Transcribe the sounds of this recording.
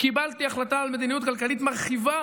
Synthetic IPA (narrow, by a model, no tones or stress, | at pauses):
kibalt̪iaχlat̪aːlmed̪inijut̪kalkalit̪maʁχiva